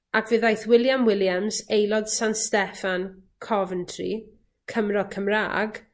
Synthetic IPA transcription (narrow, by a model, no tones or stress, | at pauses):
akʰvɨðajθwɪlˠjamwɪljamzejlɔd̥sanstɛfankʰɔvəntʰrḭ | kʰəmrɔkʰəmra̰ːɡ